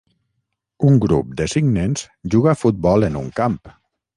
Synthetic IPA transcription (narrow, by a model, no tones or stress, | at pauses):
uŋɡɾṵp̚d̪əsiɡnenz̥ | ʒuɣafut̪̚bɔlˠenuŋkamp